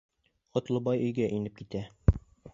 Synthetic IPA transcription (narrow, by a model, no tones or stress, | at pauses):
qŏt̪lˠɤ̆bɑjɵ̆jɡæʔinɘp̚kit̪æ